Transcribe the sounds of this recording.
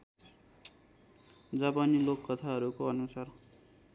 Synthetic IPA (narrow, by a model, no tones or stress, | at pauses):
d͡zapanilokːʌt̪ʰaɦʌɾukoʌnusar